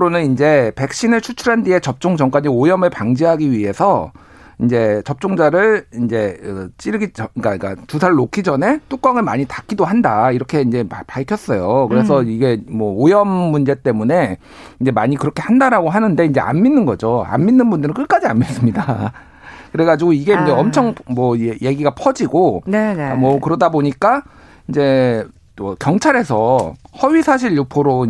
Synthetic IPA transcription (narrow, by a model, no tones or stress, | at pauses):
ɯɾonɯnind͡ʑe̞pe̞k̚ɕ͈inɯɭt͡ɕʰut͡ɕʰuɾandie̞t͡ɕʌp̚t͡ɕ͈oŋd͡ʑʌŋk͈waɲiojʌmɯɭpaŋd͡ʑiɦaɡiɥiɦe̞sʰʌ | ind͡ʑe̞t͡ɕʌp̚t͡ɕ͈oŋd͡ʑaɾɯɭind͡ʑe̞ɯt͡ɕ͈iɾɯɡik͈aik͈a̰tusʰaɭːokʰid͡ʑʌne̞t͈uk͈aŋɯɭmaɲitak͈idoɦandaiɾʌkʰe̞ind͡ʑe̞paɭkʰjʌs͈ʌjokɯɾe̞sʰʌiɡe̞mʌojʌmːund͡ʑe̞t͈e̞mune̞ | ind͡ʑe̞maɲikɯɾʌkʰe̞handaɾaɡoɦanɯnde̞ind͡ʑe̞̰ʔa̰nminːɯnɡʌ̰d͡ʑoa̰nminːɯnbundɯɾɯnkɯk͈ad͡ʑianmis͈ɯmɲida | kɯɾe̞ɡad͡ʑiɡoiɡe̞ind͡ʑe̞ʌmt͡ɕʰʌŋmwʌeje̞ɡiɡapʰʌd͡ʑiɡonmwʌkɯɾʌdaboɲik͈a | ind͡ʑe̞ | ʌkjʌŋt͡ɕʰaɾe̞sʰʌhʌɥisʰaɕ̬ʰiɭjupʰoɾoi